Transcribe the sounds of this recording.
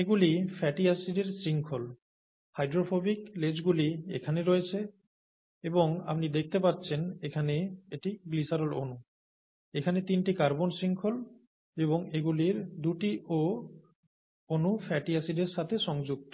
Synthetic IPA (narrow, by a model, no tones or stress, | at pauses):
eɡulifʰɛʈiasiɖeɾsiŋkʰol | hajɖɾofʰobikled͡ʑɡuliḛkʰaneɾɔet͡ɕʰe | eboŋa̰pnid̪ek̚ʰt̪epatːt͡ɕʰenekʰaneeʈiɡlisaɾolo̰nu | ekʰanet̪inʈikaɾbonsiŋkʰol | eβoŋeɡuliɾd̪uʈiʔo | onufʰɛʈiasiɖeɾʃat̪ʰeʃɔŋd͡ʑuk̚t̪o